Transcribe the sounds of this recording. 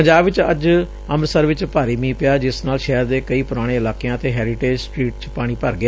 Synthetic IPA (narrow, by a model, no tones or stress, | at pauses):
pəɲd͡ʒaːbʋɪt͡ʃə̰d͡ʒ | əmɾsəɾʋɪt͡ʃpaːɾiːmĩːpɪjaːd͡ʒɪsnaːlʃɛːɾd̪eːkəiːpʊɾaːɽ̃eːɪlaːkejãːt̪eːɦɛːɾɪʈeːd͡ʒsʈɾiːʈt͡ʃpaːɽ̃iːpəɾɡɪa